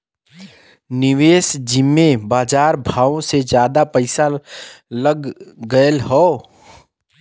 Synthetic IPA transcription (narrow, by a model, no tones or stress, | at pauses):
nɪʋeːsd͡ʒɪmːẽbaːd͡ʒaːɾbʱaːõsed͡ʒjaːd̪apəɪsaləɡːəəlɦoː